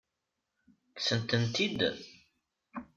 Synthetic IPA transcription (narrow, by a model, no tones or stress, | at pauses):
ksənt̪ənt̪id̪